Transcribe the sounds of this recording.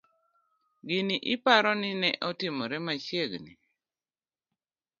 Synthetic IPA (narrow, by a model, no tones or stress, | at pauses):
ɡiniʔɪpaɾɔnɪnɛʔɔtɪmɔɾɛmaʃjeɡni